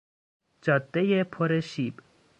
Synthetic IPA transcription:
d͡ʒɒd̪ːejepʰoɾeʃiːb

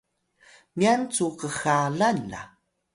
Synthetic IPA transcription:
miant͡suqəxaɮana̰

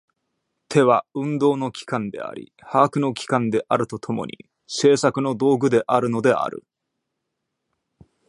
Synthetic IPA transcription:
t̪ʰe̞βaɯ̟̃nd̪o̞ːno̞kʲi̥kãnd̪e̞̰a̰ɾʲḭ | haːkɯ̟no̞kʲi̥kãnd̪e̞ʔaɾɯ̟t̪o̞t̪ʰo̞mo̞̰ɲ̟ḭ | se̞ːsakɯno̞d̪o̞ːɡɯ̟d̪e̞ʔaɾɯ̟no̞d̪e̞a̰ɾɯ̟̰

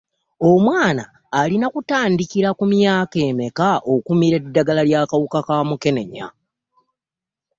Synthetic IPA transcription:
o̞mwaːnaː | linakutaːndikiɾakumjaːke̞ːme̞kaʔokumiɾe̞dːaɡalaljaːkawukakaːmuke̞ne̞ɲa̰

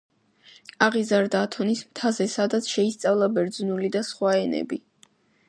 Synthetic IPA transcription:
aʁizaɾd̪aːt̪ʰɔnismt̪ʰazɛsad̪at̪sʰʃɛist̪sʼavlˠabɛɾd̪znulid̪asχwaɛnɛ̰bi

